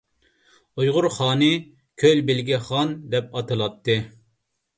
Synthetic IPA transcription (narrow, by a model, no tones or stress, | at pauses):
ujʁʊɾχɑːnɨ | kʲʰølʲbɪlɡʲɛχɑnd̪ɛpɑt̪ʰɨlˠɑt̪ʰːɨ